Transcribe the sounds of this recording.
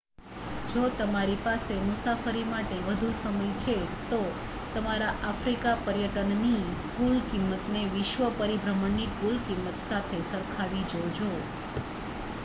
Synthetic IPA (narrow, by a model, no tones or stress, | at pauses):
d͡ʒot̪əmaɾipasemʊsafəɾimaʈeʋəd̪ʱusəməjt͡ʃʰet̪o | t̪əmaɾaʔafɾikapəɾjəʈənnikulkimːət̪neʋɪʃʋəpəɾibɾəməɳːikulkimːət̪sat̪ʰesəɾkʰaʋid͡ʒod͡ʒo